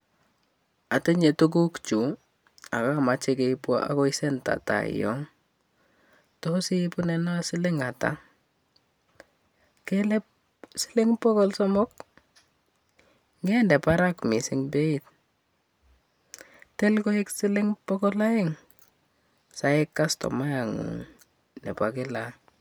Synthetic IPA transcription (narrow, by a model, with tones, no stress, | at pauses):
a˨te˦ɲe˨tu˦k̬u˦kt͡ʃu˨ | a˨ka˦ma˨t͡ʃe˦ke˨pwa̰ʔa̰˦kɔ˦isɛ˦nta̰˨ta̰˨ɪ̰jɔ̰˦ŋ | tɔsi˦pʊ˦nɛ˨na˦sɪ˦le˦ŋa˨ta̰˨ | kelɛ˦p̚ | si̥˦leŋpɔ˦kɔ˦lsɔ˦mɔ˦k̚ | ŋɡe˦ndɛ˨pa˦ɾakmi˨sɪŋbe˦i˦t | tɛ˦lko˦i˦ksɪ˦lɪŋpɔkɔ˦la˦ɪ˦ŋ | sa˦ɪ˦kːa˦stɔ̰˨ma˦ja˨ŋṵṵ˨ŋ | nɛ̰˨pwa˨kɪ˦la